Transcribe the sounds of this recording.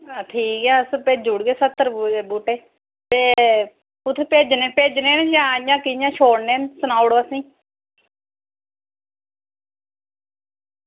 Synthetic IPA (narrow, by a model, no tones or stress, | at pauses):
aʈʰiːkɛːspeːd͡ʒʊɽɡeːsət̪ːəɾebuːʈeː | beː | ʊt̪ʰːpeːd͡ʒneːpeːd͡ʒneːnjãːjãːkɪjãːt͡ʃʰoːɽnẽːnsənaːɽoːəsĩː